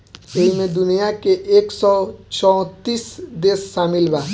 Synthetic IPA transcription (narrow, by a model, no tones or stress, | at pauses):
eɦimed̪unijakeʔeksɔt͡ʃɔw̃t̪isd̪esːamilba